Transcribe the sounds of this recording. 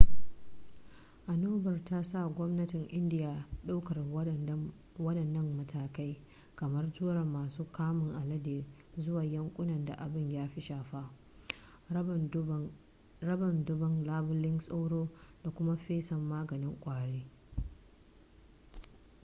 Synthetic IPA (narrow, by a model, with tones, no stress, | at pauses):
ʔa˨noː˦bɐ˨rta˦sa˦˨ɡʷɔ˦mnɐ˦tɪ˨ŋʔɪ˦ndɪ˦ja˨ɗa˦wkɐ˨r | wɐ˦ɗɐ˨nːɐ˦mːɐ˦tʰaː˨ka˦j | kɐ˨mɐ˦rtuː˦ɾɐ˨mːaː˨suː˦kaː˦mɪ˨ŋʔa˨lɐ˦deː˨ | zʊ˦waː˨jɐ˦ŋkʷʼʊ˦nɐ˨nda̰˨ʔa˨bɪ˦˨ɲjaː˦ɸi˦ʃaː˨ɸa˦ | ɐ˦bɐ˨ndʊ˦bɐ˨ŋlaː˦bʊ˦lɪ˦nsʼa˦wɽoː˦da˨kʷʊ˦ma˦ɸeː˦sɐ˨mːaː˦ɡɐ˨nɪ˦ŋkʷʼaː˨ɽeː˦